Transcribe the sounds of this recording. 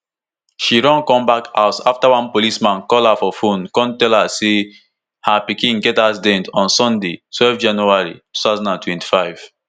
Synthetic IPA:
ʃiɹɔ̃nkɔ̃mbakaʊsaftawãnpolismãnkɔlafɔfõnkɔ̃ntɛlhase | hapikĩnɡɛtas̬dɛ̃ntɔ̃nsɔ̃ndetwɛlfd͡ʒãnjuaɹitu̥tazɔ̃nãntwɛ̃nti̥faɪv̥

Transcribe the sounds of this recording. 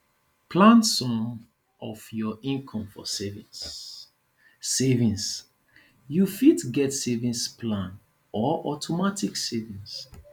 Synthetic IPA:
pʰlãnsɔ̃m | ɔfjɔʔĩnkʰɔ̃mfɔ̰sɛvĩs | evĩns | jufitɡɛtsevĩnsplãn | ɔʔɔtʰɔmatʰiksevĩns

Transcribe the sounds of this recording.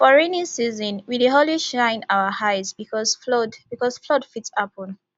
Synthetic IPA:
fɔɹenĩnsizɔ̃nwideɦoliʃãɪ̃naəhaɪzbikɔzflɔdb̥ikɔz̥flɔdfitsɔpɔ̃n

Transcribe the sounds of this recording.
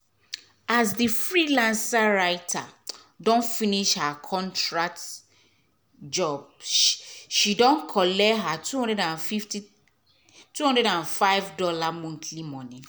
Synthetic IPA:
asdifɹilãnsaɹaɪtʰa | dɔ̃nfiniʃhakʰɔ̃ntɹat | d͡ʒɔb̚ | ʃidɔ̃nkʰɔlɛɦatuɔ̃ndɛɾãnfifti | tuhɔ̃ndɹɛɾãnfaɪvdɔlamɔ̃ntʰlimɔ̃ni

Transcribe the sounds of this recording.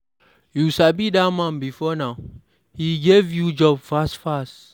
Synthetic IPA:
jusabidamãnbifɔnaʊ | hiɡevjud͡ʒɔbfastfast

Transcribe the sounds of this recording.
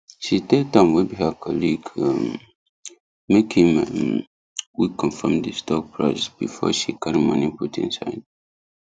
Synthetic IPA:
ʃitek̚dãmwɛbihəkʰɔliɡəm | mekhĩm | wikʰɔ̃nfãmdəstɔk̚pʰɹa̰ɪsb̥ifɔ̰ʃikʰaɾimɔ̰̃niputʰḭ̃nsa̰ɪd̥̚

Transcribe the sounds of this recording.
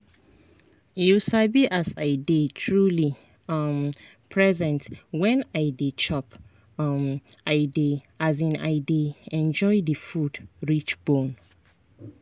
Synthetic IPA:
isabiʔasaɪdetʰɹuli | m | pʰɹɛzɛ̃ntwɛ̃naɪdet͡ʃɔp | maɪde | azĩna̰ɪdeɛ̃nd͡ʒɔɪdəfudɹit͡ʃbõn

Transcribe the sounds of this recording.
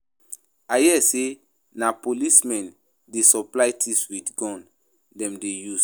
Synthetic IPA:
ajiɛse | napolismɛ̃n | desɔplajtʰiswidɡɔ̃n | dɛ̃mdejus

